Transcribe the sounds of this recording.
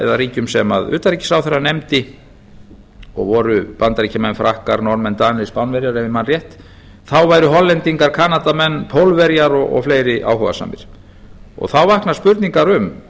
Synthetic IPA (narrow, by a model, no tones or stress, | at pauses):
ɛ̰ðariːcʏmsɛmaðʏ̰ːt̪aɾiːcɪ̥sawθɛrːanejmt̪ɪ | ɔ̰ɣvɔɾʏpant̪aɾiːcamɛnfɾahkaɾnɔɾnmɛnt̪aːnɪspawnvɛɾjaɾɛvɪmanrjɛht̪ | θawvaːjɾʏɦɔlːɛnt̪iŋkaɾ̥kʰaːnat̪amɛnːpʰowlvɛɾjaɾɔɣɔ̰fleːjɾɪʔa̰wɦɔɣa̰sa̰ːmɪ̰ɾ̥ | ɔ̰ɣθawvahknḁspʏɾt̪niŋkaɾʏm